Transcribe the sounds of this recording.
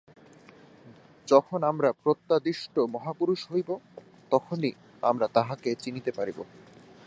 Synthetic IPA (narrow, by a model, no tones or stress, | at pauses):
d͡ʑɔkʰonamɾapɾot̪ːad̪iʃʈomɔɦapuɾuʃɦojbo | t̪ɔkʰoni | a̰mɾat̪aɦaket͡ɕinit̪epaɾibo̰